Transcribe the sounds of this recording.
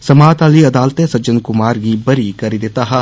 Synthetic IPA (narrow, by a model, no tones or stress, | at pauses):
sɐmaːt̪aːliɐd̪aːlt̪esɐd͡ʒɐ̃nkʊmaːɾɡibɐɾikɐɾid̪et̪aːɦɐ